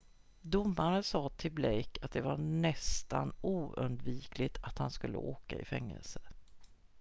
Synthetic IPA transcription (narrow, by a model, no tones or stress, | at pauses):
d̪ʊmːaɾənsɑːt̪ʰɪlblɛjkʰat̪̚d̪ɛvanɛst̪anuːɵ̰nd̪viːklɪt̪ʰat̪hanskɵlːəoːkaɪ̰fɛŋːɛ̰lsə̥